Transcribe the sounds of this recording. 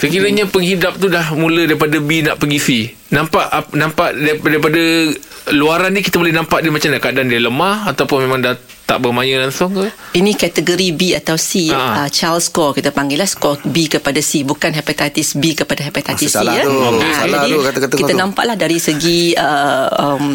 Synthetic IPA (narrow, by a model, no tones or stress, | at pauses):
səkiɾəɲapəŋhidap̚t̪udahmũlədaɾipadabinaʔpəŋɡisi | nãmpaʔanampaʔddaɾipada | luaɾandikit̪abolɛhnãmpaʔdimat͡ʃamdaʔkadandialəmahat̪awpʊnmemãŋda | t̪a̰ʔbəmajə̃laŋsʊŋ | inĩkat̪əɡoɾibiat̪awsiaət͡ʃalskɔkit̪apaŋɡɪlahskɔbikəpadasibukanɦɛpat̪at̪isbikəpadaɦɛpat̪at̪isiaid͡ʒadikat̪kat̪kit̪anãmpa̰ʔlahdaɾisəɡiəəm